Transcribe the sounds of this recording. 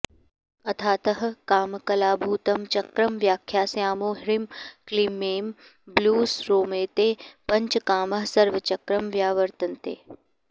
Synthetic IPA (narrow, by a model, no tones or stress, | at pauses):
ɐt̪ʰaːt̪ɐɦɐ̆kaːmkɐlaːbʱuːt̪ɐmt͡ʃɐkɾɐmʋjaːkʰjaːsjaːmoːɦɪɾimklimːeːm | bluːsɾoːmeːt̪eːpɐɲt͡ʃkaːmɐɦsɐɾʋɐt͡ʃɐkɾɐmʋjaːʋɐɾt̪ɐnt̪ḛː